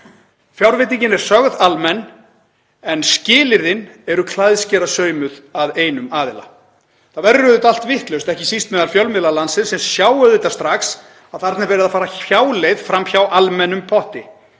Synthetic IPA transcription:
fjawɾvɪːt̪̬iɲcɪnɛɾ̥sœɣðalmɛnː | ɛnscɪːlɪɾðɪnɛɾʏkʰlajðscɛːɾasœːɥmʏðaðeːjnʏmaːðɪla̰ | θavɛɾːʏðʏt̪al̥t̪vɪht̪lœɥst̪ɛhcɪsist̪mɛːðalfjœwlmɪðlalansɪð̥sɛmsjaːwʏðɪt̪ḁst̪ɾaxs | aðθaɾt̪nɛɾvɛːɾɪðafaːɾaçaːwlejðfɾamçawʔalmɛnʏmpʰɔht̪ɪ

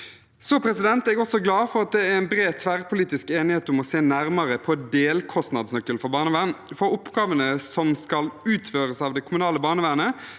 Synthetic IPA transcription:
sɔpʰɾɛsɪd̪ɛnt̪ɛɡɔsɔɡlɑːfɔɾɑt̪̚d̪ɛæɾɛnbɾeːt̪sʋæːʁəpʰʊliːt̪ɪskeːnɪheːt̪ʊmɔseːnæʁməʁəpʰɔd̪eːlkʰɔst̪nɑd̪snœkːəlfɔʁbɑːnəʋæːʁnfɔʊpɡ̥ɑːʋənəsɔmskɑlʉːt̪føːʁəsɑːʋd̪ɛkʰʊmʉnɑːləbɑːnəʋæːʁnə

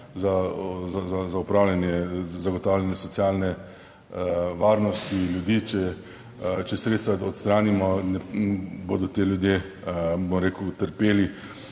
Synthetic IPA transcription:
zazazazaupɾaːwlʲjanjɛzaɡɔt̪awljanjɛsɔt̪sijaːlnɛ | ʋaːɾnɔst̪iljud̪iːt͡ʃɛ | t͡ʃɛsɾet̪st̪ʋaɔt̪st̪ɾaːnimɔnɛbod̪ɔt̪eːljud̪je | bomɾeːkʊt̪əɾpeːli

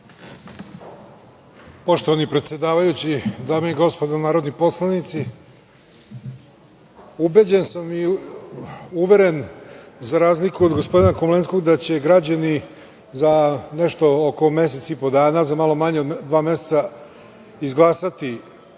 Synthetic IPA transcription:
po̞ʃt̪oʋanipɾet̪sjed̪aːʋajut͡ɕid̪aːmeiɡo̞spod̪onaːɾo̞d̪nipo̞slˠanit̪si | ubed͡ʑensami | uʋe̞ɾe̞nzaɾaːzlikuod̪ɡo̞spo̞d̪inakomlensko̞ɡd̪at͡ɕe̞ɡɾad͡ʑani | zane̞ʃt̪o̞oko̞me̞s̬e̞t̪sipo̞d̪aːnazamalo̞maɲeod̪d̪ʋaːmje̞set̪sa | izɡlˠaːsat̪i

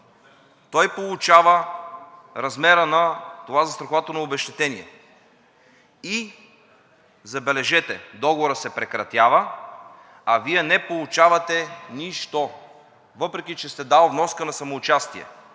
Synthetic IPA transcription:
t̪ɔjpolˠut͡ʃavə | ɾɐzmɛɾənɐt̪ovazɐst̪ɾɐxovat̪ənoobɛʃt̪ɛt̪ɛniɛ̰ | i | zɐbɛlɛʒɛt̪ɛd̪ɔɡovoɾəsɛpɾɛkɾɐt̪javə | ɐvijɛnɛpolˠut͡ʃavɐt̪ɛniʃt̪o | vɤpɾɛkʲit͡ʃɛst̪ɛd̪alˠvnɔskənɐsɐmoːt͡ʃast̪iɛ̰

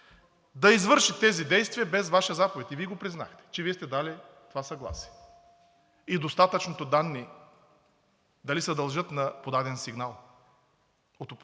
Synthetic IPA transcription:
d̪ɐizvɤɾʃit̪ɛzid̪ɛjst̪viɐbɛzvaʃiɐzapovɛt̪iviɛɡopɾizna̰xt̪ɛ̥t͡ʃɛviɛst̪ɛd̪alɛt̪ovasɐɡlˠa̰si̥ɐ | id̪ost̪at̪ət͡ʃnot̪od̪anːi | d̪ɐlisɛd̪ɐlˠʒɤt̪nɐpod̪ad̪ɛnsiɡnalˠ | ot̪op

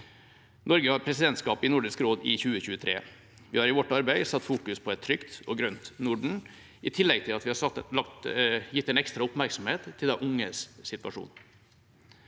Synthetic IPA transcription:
nɔɾɡəhɑɾpʰɾɛsɪd̪ɛnt̪skɑːpɪnʊɖɪskɾoːd̪ɪ̰çʉːəçʉːət̪ʰɾḛː | ʋɪhɑːɾɪʋɔʈːɑɾbæɪsɑt̪ːfuːkʉspʰɔɛt̪ʰːɾʏkt̪ɔɡɾœnt̪nʊɖɳ̩ | ʔɪt̪ʰɪlːɛɡ̚t̪ʰɪlɑt̪ʋɪhɑɑkjɪt̪ːɛɪnɛkst̪ɾɑʊpmæɾksɔm̩heːt̪ʰːɪld̪æʔʊŋəsːɪt̪ʋɑ̰ʂṵːn

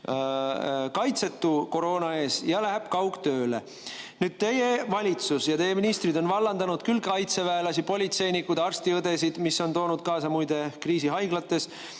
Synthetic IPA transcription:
kɑjt̪se̞t̪ːuko̞ɾo̞ːnɑe̞ːsjɑlæɦeb̥kɑwɡt̪ø̞ːle̞̰ | nyːd̪̥̚t̪e̞jevɑlʲit̪susjɑt̪e̞jeminist̪rid̪o̞nvɑlːɑnd̪̥ɑnud̪̥kylkɑjt̪se̞væelɑsipo̞lʲit̪se̞jnikːud̪ɑrst̪iɤd̪e̞sid̪̥misːo̞nt̪o̞ːnud̪̥̚kɑːsɑmujd̪̥e̞kriːsiɦɑjɡlɑt̪ːˑe̞s

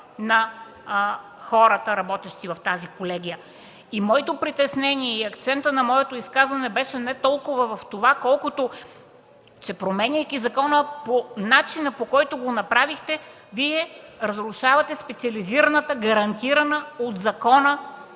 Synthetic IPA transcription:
nɐ | xɔɾət̪əɾɐbɔt̪ɛʃt̪ivɐft̪azikolɛɡ̟ʲijə | imɔit̪opɾit̪ɛsnɛniɛiɐkt̪sɛnt̪ənɐmɔɛt̪oiskazvɐnɛbɛʃɛnɛt̪ɔlˠkovəvɐft̪ovakɔlˠkot̪o | t͡ʃɛpɾomɛnʲijkʲizɐkɔnəponat͡ʃinəpokɔjt̪oɡonɐpɾavixt̪ɛ | viɛɾɐzɾuʃavɐt̪ɛspɛt̪siɐliziɾɐnət̪əɡɐɾɐnt̪iɾɐnəod̪zɐkɔnə

